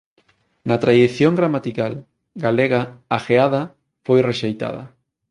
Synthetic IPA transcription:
nɐt̪ɾaðeθjoŋɡɾamat̪ikal | ɡaleɣaaxeaðɐ | fojreʃejt̪a̰ðɐ̰

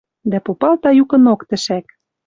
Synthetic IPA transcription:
d̪æpopɑlt̪ɑjukɤ̆nokt̪ɘ̆ʃæk

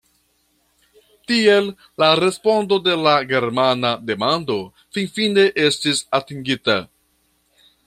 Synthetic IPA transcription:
tie̞lː | aɾe̞spo̞ndo̞de̞laɡe̞ɾmanade̞mando̞ | finfine̞ʔe̞stisatiŋɡita̰

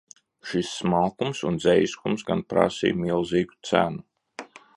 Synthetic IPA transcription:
ʃisːmalˠkumsund̪zɛjskumsɡanpɾa̰sḭːjmilˠziːɡu̥t̪sænu

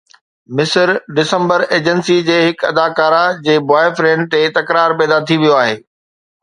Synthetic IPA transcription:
mɪsəɾɖɪsə̃mbəɾeːd͡ʑənsid͡ʑeːɦɪkɐ̰d̪aːkaːɾad͡ʑeːbaːɪfɾẽːɳɖ̚t̪et̪ɐkɾaːɾpɛːd̪at̪ʰiʋijoaːɦeː

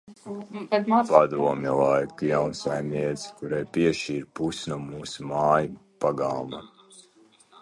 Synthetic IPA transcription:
ad̪pad̪uɔmʲjɛlˠajkujawnsajmniɛt̪si̥kuɾajpʲiɛʃiːɾpusnuɔmuːsumaːjupaɡalˠma

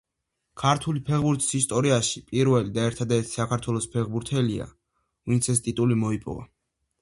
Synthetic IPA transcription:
kʰaɾt̪ʰulipʰɛʁbuɾt̪ʰi̥sist̪ʼɔɾiaʃipʼiɾvɛlid̪aɛɾt̪ʰad̪ɛɾt̪ʰi̥sakʰaɾt̪ʰwɛlˠɔspʰɛʁbuɾt̪ʰɛlia̰ | vint̪sʰɛst̪ʼit̪ʼulimɔipʼɔ̰va̰

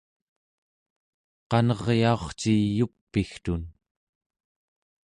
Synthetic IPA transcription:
qɑnʌʁjao̞χt͡ʃijupːixt̪un

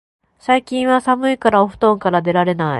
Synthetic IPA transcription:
saikʲĩɰ̃βasamɯ̟ikaɾaoɸɯ̟̥t̪õ̞ŋkaɾad̪e̞ɾaɾe̞naḭ

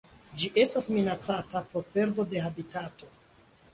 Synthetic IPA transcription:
d͡ʒiʔe̞stasminat͡satapo̞pe̞ɾdo̞de̞ɦabitato̞

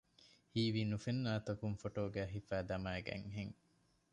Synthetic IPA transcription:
hiːʋinufenːaːt̪ɐkuŋfoʈoːɡæːɦifæːd̪ɐmaːeɡæ̰ŋɦeŋ

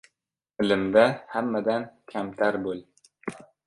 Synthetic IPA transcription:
ɪlɪmd̪ahamːad̪ankʲʰamt̪ʰaɾbol

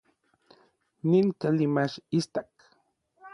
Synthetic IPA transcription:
ninkalimaʃist̪ak

